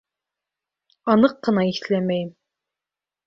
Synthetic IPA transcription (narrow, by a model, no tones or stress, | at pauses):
ɑnɤqːɤ̆nɑiθlæmæjm